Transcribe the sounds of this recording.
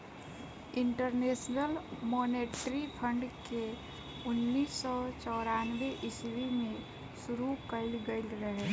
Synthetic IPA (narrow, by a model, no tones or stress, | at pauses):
ɪɳʈəɾneːsnəlmoːneːʈɾipʰəɳɖke | ʊnːiːsːɔt͡ʃɔːɾanweʔɪswimẽ | suɾukəɪlɡəɪlɾəɦe